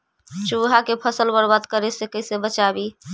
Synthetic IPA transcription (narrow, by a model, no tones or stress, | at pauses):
t͡ʃuɦakepʰəsəlbəɾbat̪kəɾesekəsebət͡ʃabi